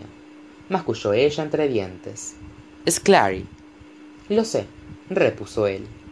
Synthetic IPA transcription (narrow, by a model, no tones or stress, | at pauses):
a | maskuʃoeʒaent̪ɾe̞ðje̞nt̪e̞̰s | eskla̰ɾḭ | lo̞serepusoḛl